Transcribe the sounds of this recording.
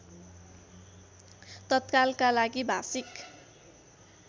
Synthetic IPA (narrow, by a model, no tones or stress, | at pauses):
t̪ʌt̪kalkalaɡibʱa̰sik